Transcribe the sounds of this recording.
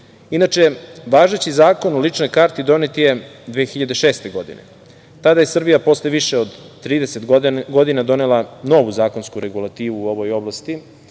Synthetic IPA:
inat͡ʃe̞ʋaːʒet͡ɕizaːko̞nolit͡ʂno̞jkaɾt̪id̪o̞net̪ijed̪ʋeːxiʎad̪eʃeːst̪e̞ɡo̞d̪ḭnḛ | t̪ad̪aje̞sr̩bijapo̞sleʋiʃeod̪t̪ːɾiːd̪eset̪ɡo̞d̪inad̪o̞nelˠano̞ʋuzaːko̞nskuɾe̞ɡulˠat̪iːʋuːo̞ʋo̞jo̞blˠast̪i

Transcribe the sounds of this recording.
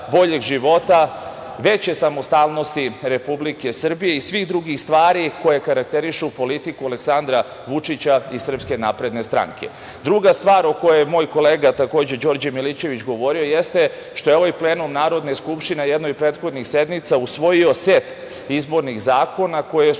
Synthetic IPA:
bo̞ʎe̞ɡʒiʋo̞t̪a | ʋe̞t͡ɕjesamo̞st̪aːlˠno̞st̪iɾe̞publike̞sr̩bije̞isʋiɣd̪ɾuɡixst̪ʋaːɾiko̞jekaɾak̚t̪e̞ɾiʃupo̞lit̪ikualeksand̪ɾa | ʋut͡ʂit͡ɕaisr̩pske̞naːpɾe̞d̪ne̞st̪ɾa̰ŋkʰe̞̰ | d̪ɾuɡast̪ʋaːɾo̞kojejmo̞ːjko̞leːɡat̪ako̞ːd͡ʑe̞d͡ʑo̞ɾd͡ʑemilit͡ɕe̞ʋit͡ɕɡo̞ʋo̞ɾio̞jest̪e̞ | ʃt̪o̞jeo̞ʋajple̞ːnumnaːɾo̞d̪neskupʃt̪ine̞jed̪nojpɾeːt̪xo̞d̪nixsed̪mit̪sausʋo̞jio̞set̪ | izbo̞ɾnixzaːko̞nako̞je

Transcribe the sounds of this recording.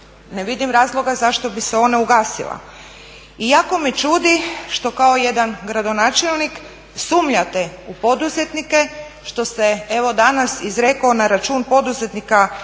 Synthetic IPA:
neʋid̪imɾaːzlˠo̞ɡazaʃt̪o̞biseo̞nauɡaːsḭlˠa̰ | ijako̞mit͡ʃuːd̪iʃt̪o̞kao̞je̞d̪anɡɾad̪o̞naːt͡ʃelˠnik | suːmʎat̪eupo̞d̪uzet̪nike | ʃt̪o̞see̞ʋo̞d̪anasizɾekonaɾat͡ʃuːnpo̞d̪uze̞t̪nika

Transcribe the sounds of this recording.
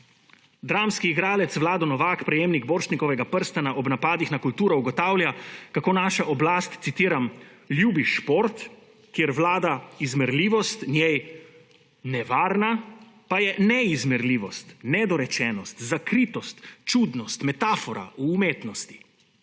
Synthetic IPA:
d̪ɾaːmskiːɡɾaːlɛt̪sʋlaːd̪ɔnɔʋaːkpɾɛjeːmniɡboːɾʃnikɔʋɛɡapəɾst̪anaʔɔbnapaːd̪ixnakult̪uːɾɔuɡɔt̪aːwlʲjakakoːnaːʃaʔɔblaːst̪t̪sit̪iːɾamljuːbiʃpoɾt̪ | kjeɾʋlaːd̪aizmɛɾliːʋɔst̪nʲjej | nɛʋaːɾna | pajɛnɛizmɛɾliːʋɔst̪nɛd̪ɔɾɛt͡ʃɛːnɔst̪zakɾiːt̪ɔst̪t͡ʃud̪nɔst̪mɛt̪aːfɔɾa̰ʔuːmeːt̪nɔst̪i̥

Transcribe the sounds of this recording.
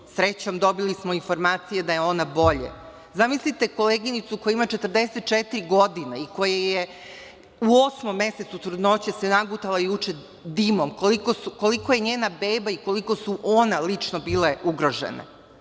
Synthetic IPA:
sɾet͡ɕo̞md̪o̞bilismo̞info̞ɾmaːt̪sijed̪ajeo̞nabo̞ʎḛ | zamislit̪e̞ko̞leːɡinit̪sukojaimat͡ʃet̪ər̩d̪eset̪̚t͡ʃet̪iɾiɡo̞d̪ineiko̞jeje | uo̞smomːe̞se̞t̪sut̪ɾud̪no̞t͡ɕesenaɡut̪alajut͡ʃe | d̪imomkolikosukoliko̞je̞ɲeːnabe̞ːbaiko̞liko̞suʔonalit͡ʃnobiːleʔuɡɾo̞ʒḛnḛ

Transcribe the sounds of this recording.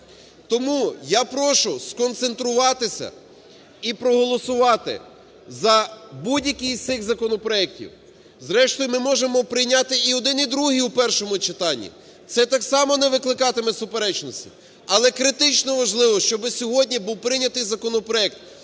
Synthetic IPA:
t̪ɔmujapɾɔʃʊskɔnt̪se̞nt̪ɾʊʋɑt̪ɪsʲɐ̰ | ipɾɔɦɔlˠɔsʊʋɑt̪ɪ̰ | zɐbudʲjɐkɪjt̪sɪxzɐkɔnɔpɾɔɛk̚tʲḭw | zɾɛʃt̪ɔjʊmɪmɔʒemɔpɾɪjnʲɑt̪ɪiɔd̪ɪnid̪ɾuɦiwpɛrʃɔmʊt͡ʃɪt̪ɑnʲːḭ | t̪sɛt̪ɑksɑmɔnɛʋɪklˠɪkɑt̪ɪmɛsʊpeɾɛt͡ʃnɔsʲtʲḭ | ɐlˠɛkɾɪt̪ɪt͡ʃnɔʋɐʒlˠɪʋɔʃt͡ʃɔbɪsʲɔɦɔdʲnʲibuwpɾɪnʲɐt̪ɪjzɐkɔnɔpɾɔɛk̚t̪

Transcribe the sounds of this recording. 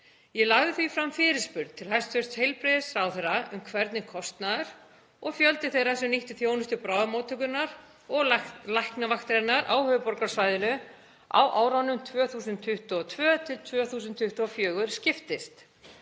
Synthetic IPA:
jɛlaɣðɪθvifɾamfɪːɾɪspʏɾðt̪ʰɪlɦajst̪fʏst̪shejlpɾɪðɪsɾaːwθejɾaʔʏmkʰvɛɾt̪nɪkʰɔst̪naðɾ̥ | ɔɣfjœlt̪ɪθejɾasɛmniht̪ʏθjownʏst̪ʏpɾaːwðamoːt̪ʰʏkʏnaɾ | ɔɣlahknavaxt̪ɾenaɾʔawhœvʏpɔɾkaɾ̥svajðɪnʏ | a̰wʔaːwɾawnːʏmt̪ʰvœːθuːsʏnt̪ʰʏht̪uɔt̪ʰvœːt̪ʰɪlt̪ʰvœːθuːsʏnt̪ʰːʏht̪ʊɔfjœːɣʏɾ̥scɪft̪ɪst̪

